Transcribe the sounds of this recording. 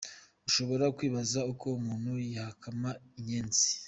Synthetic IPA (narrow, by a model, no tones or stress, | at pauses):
uʃo̞βo̞ɾakwiːβazaukʰo̞umuːnhujahakʰamaiɲeːnzi̥